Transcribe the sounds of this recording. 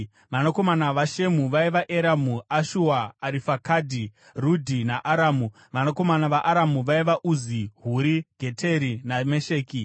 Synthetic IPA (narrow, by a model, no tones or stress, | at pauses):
ʋanako̞manaʋaʃe̞muʋaiʋaʔeɾamuaʃuaːɾifakadʱi | rudʱinaʔaɾaːmu | ʋanako̞manaʋaʔaɾamuʋaiʋaʔuziɦuɾiɡ̥ʱe̞tʰe̞ɾinameʃe̞ːki